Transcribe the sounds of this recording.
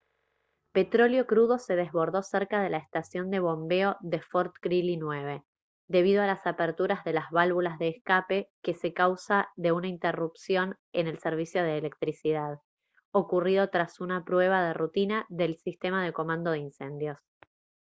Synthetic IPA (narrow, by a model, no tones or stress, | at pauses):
pe̞t̪ɾo̞ljo̞kɾuðo̞se̞ð̞e̞zβo̞ɾðo̞seɾkaðe̞laest̪asjo̞nd̪e̞β̞o̞mbe̞o̞ðe̞foɾt̪kɾilinwe̞βe̞ | d̪e̞β̞iðoalasapeɾt̪uɾazðe̞lazβalβulazðeːskape̞ke̞se̞kawsaðe̞unaint̪erupsjo̞n | ene̞lseɾβ̞isjo̞ð̞eːlek̚t̪ɾisið̞að̞ | o̞kurið̞o̞t̪ɾasunapɾwe̞β̞að̞e̞rut̪inaðe̞lsist̪e̞mað̞eko̞mãnd̪o̞ðeinse̞nd̪jo̞s